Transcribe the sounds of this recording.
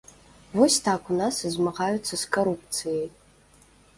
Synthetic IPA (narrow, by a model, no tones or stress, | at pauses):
wosʲtʰakʰʷʼunasɨzmaʁajut͡sʰːɐskʰoɾup̚ʰt͡sʰɨjej